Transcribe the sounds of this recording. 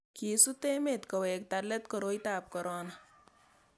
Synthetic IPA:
kiːsut̪eːmet̪kɔweːk̚t̪ɐɾlet̪kɔɾoːjt̪aːp̚kɔɾɔːna

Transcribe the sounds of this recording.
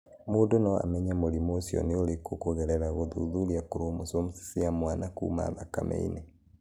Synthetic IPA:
moːdonɔa̰mɛɲamoɾimoːsjɔ̰neolekokoɣɛɾɛɾaɣoðuðuɾiakoɾomosomusi̥siamwanakṵːma̰ðaka̰mʔḛḭne

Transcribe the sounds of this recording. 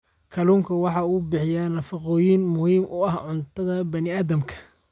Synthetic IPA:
kʰɐluːŋkʰɐwɑħɑuːbɪħɪjanɐfɑqɔːjinmʊhiːmʔʊɐhʕʊnt̪ʰɐðɐbɐnɪaːðɐmkʰɐ̥

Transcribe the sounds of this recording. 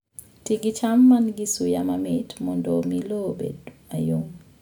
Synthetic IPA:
tiɡit͡ʃamːanɡisujamamɪtmɔndɔmilobḛdajoŋ

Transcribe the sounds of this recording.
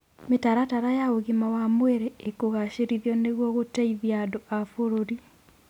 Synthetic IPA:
metaɾataɾajaoɣimawamweɾeekoɣaɕeɾiðjɔneɣwɔɣotaiðjadoafoɾoɾi

